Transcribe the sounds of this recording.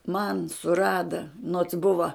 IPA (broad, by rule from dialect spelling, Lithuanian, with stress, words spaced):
mɐn sʊˈrɑːdɐ noːts ˈbʊʋɐ